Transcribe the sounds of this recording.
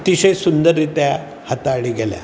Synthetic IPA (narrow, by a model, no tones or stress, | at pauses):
t̪iɕesund̪əɾit̪ja | hət̪aːɭiɡɛlja̰